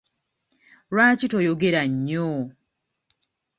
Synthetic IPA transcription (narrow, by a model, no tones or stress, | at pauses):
ɾwaːcitojoɡeɾaɲːo